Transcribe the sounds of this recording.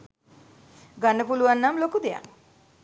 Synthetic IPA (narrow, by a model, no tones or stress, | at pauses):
ɡanəpuluʋanːamlokud̪eja̰ŋ